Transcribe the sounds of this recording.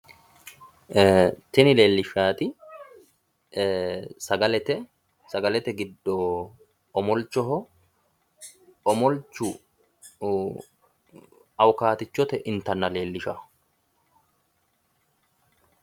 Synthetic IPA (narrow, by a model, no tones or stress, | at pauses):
t̪ɪnɪle̞ːlːɪʃaːt̪ɪ | sɐɡɐlɛt̪ɛ | sɐɡɐlɛt̪ɛɡɪd̪ːɔː | mɔlt͡ʃːɔɦɔ | ɔmɔlt͡ʃːʊ | ɐwkaːt̪ɪt͡ʃːɔt̪ɛʔɪnt̪ɐnːɐle̞ːlːɪʃa